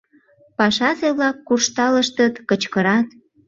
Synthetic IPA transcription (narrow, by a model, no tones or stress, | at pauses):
pɑʃɑzeβlɑkːurʃt̪ɑləʃt̪ət̪kət͡ɕkəɾɑt̪